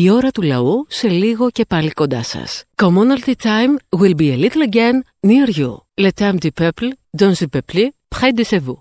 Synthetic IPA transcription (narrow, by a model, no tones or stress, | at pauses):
io̞ɾɐt̪ulɐ̰use̞liɣo̞ce̞pɐlikond̪ɐsɐ̰skomonɐlt̪it̪ajmwilbielit̪leɟenː | iɐɾʝṵlet̪ɐmd̪ipepld̪onzipeplipxɐjd̪isevu